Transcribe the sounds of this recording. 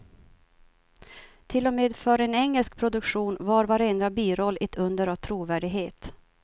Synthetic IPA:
t̪ʰɪlːɔmeːd̪fœɾɛnɛŋːɛlsk̚pʰɾʊd̪ɵkɧuːnvɑːɾvaɾɛnd̪ɾabiːɾɔlːɛt̪ʰɵnd̪əɾavt̪ʰɾuːvæːɖɪɡɦeːt̪

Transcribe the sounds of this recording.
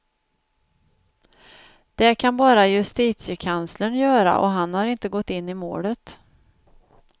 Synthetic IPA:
d̪̥ɛkʰanbɑːɾajɵst̪iːt̪sjəkʰanslənjœːɾa̰ʔɔ̰ɦanhaɾɪnt̪əɡɔt̪ːɪnːɪmo̰ːɖət̪

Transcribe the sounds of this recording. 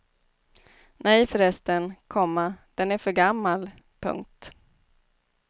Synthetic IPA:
nʔɛjfœɾɛst̪ənkʰɔmːad̪̥ɛnæɾfœɡamːal | pʰɵ̰ŋk̚t̪

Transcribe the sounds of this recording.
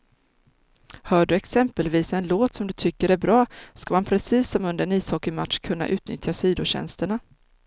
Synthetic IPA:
hœːɖɵɛksɛmpəlviːsɛnloːt̪sɔmd̪ɵt̪ʰʏkːəɾæɾbɾɑːskamanpʰɾɛsiːsːɔmɵnd̪əɾɛniːshɔkːɪmat̪ʂkʰɵnːa̰ʔʉ̟ːt̪̚nʏ̰t̪ʰjasiːd̪ʊɕɛ̰nst̪əɳa

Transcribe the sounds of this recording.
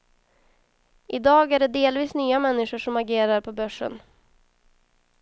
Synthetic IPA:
ʔɪd̪ɑːɡæɖɛd̪eːlviːsnyːamɛnːɪʂʊʂɔmaɡeːɾaɾpʰɔbœʂə̰n

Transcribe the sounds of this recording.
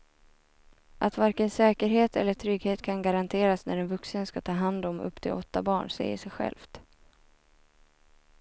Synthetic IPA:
ʔat̪vaɾkənsɛːkəɾɦeːt̪ʰɛ̰lːəʈʰɾʏɡheːt̪kʰanɡaɾant̪ʰeːɾasnæ̰ɖɛnvɵksənskat̪ʰɑːɦand̪ɔmɵ̰pːt̪ʰɪlʔɔt̪ːabɑːɳsɛ̰jə̰ʂɛjɧɛ̰lft̪

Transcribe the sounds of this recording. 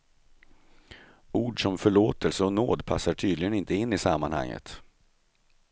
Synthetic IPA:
uːɖʂɔmfœɭoːt̪ʰəlsəɔnoːd̪pʰa̰sːaʈʰyːd̪lɪɡənɪnt̪əɪnːɪsamːanha̰ŋːə̰t̪

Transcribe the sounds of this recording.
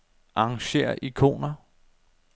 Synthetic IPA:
ʔɑ̈ɑŋɕe̝̰ːɐʔikʰo̝̰ːnɐ

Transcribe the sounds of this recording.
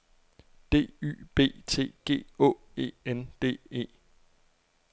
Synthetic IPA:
d̥e̝̰ːy̰ːb̥e̝̰ːt͡sʰe̝̰ːɡ̥e̝̰ːɔ̰̽ | e̝̰ːend̥e̝̰ːe̝̰ː

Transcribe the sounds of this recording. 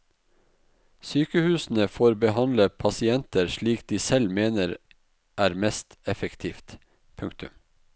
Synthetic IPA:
syːkəhʉːsn̩əfoːɾbəhɑnləpʰɑsɪɛnt̪əɾʃɭiːkd̪iːsɛlmeːnəɾ | ʔæːɾmɛst̪ɛfəkt̪ʰiːft̪ | pʰʉŋkt̪ʉ̰m

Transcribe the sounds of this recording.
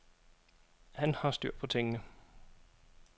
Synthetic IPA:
hænhɑ̈sd̥yɐ̰̥pʰɒ̽t͡sʰeŋənə

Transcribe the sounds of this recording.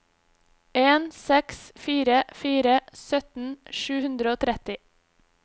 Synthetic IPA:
eːnsɛksfiːɾəfiːɾəsœt̪n̩ʃʉːhʉnd̪ɾəoːt̪ʰɾɛt̪ɪ

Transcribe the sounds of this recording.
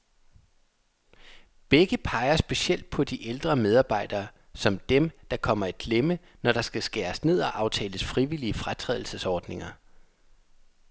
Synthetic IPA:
b̥eɡ̥əpʰɑ̈ɪɐsb̥e̝siel̰d̥̚pʰɒ̽d̥iʔeld̥ʁɐmeð̞ˠɑ̈ːb̥ɑ̈ɪ̰d̥ɐː | sɒ̽md̥emd̥ɑ̈kʰɒ̽m̰ɐæ̥ɡ̥lemə | nɒɾ̥ɑ̈sɡ̥æsɡ̥æːɐsne̝ð̞̰ˠɒ̽ʔɑ̈ʊt͡sʰɛ̰ːləsfʁiʋiliəfʁat͡sʰʁɛ̰ðˠl̩səsɒːd̥ne̝ŋɐ

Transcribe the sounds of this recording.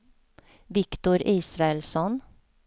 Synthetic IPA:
ʋɪkt̪ʊɾʔiːsɾɑɛlsɔn

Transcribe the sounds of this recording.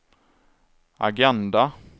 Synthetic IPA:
a̰ɡɛnd̪a

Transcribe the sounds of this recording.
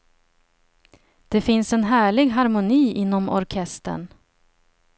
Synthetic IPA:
d̪̥ɛfɪnsɛnɦæːɭɪɡɦaɾmʊniːʔɪn̪ːɔmɔ̰ɾkʰɛst̪ə̰ɳ

